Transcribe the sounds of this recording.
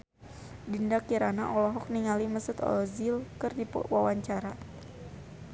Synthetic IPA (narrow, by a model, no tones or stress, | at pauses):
dindakiɾana̰ʔɔlɔɦɔk̚niŋaliməsʊt̪ɔ̰lɔzilkɨrdipwawaɲt͡ʃaɾa